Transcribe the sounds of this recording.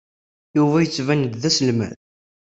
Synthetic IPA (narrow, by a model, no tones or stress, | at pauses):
juvæjət͡sːvænd̪ðæsəlmæ̰ð